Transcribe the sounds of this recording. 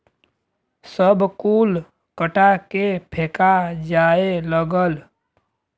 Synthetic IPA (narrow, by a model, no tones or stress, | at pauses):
səbkuːl | kəʈakepʰeːkad͡ʒaːeləɡəl